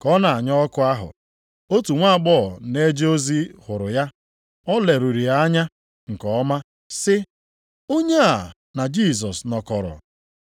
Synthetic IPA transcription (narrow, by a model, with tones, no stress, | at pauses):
kɔ˦na˨a˨ɲɔ˦ɔ˦kʊ˦a˦ɦʊ̰˨ | o˦tu˨ŋʷa˦˨ɡ͡bɔ˦˨ne˦d͡ʒe˦o˦zi˦hʊ˨ɾʊ˨ja˦ | ɔ˦le˨ɾu˨ɾi˨a˦ɲa˦ | ŋ̩˨kɔ˨ɔ˦ma˦ | sɪ˦ | o˦ɲe˦a˨ | na˨d͡ʒi˦˨sɔ˨snɔ˨kɔ˨ɾɔ̰˨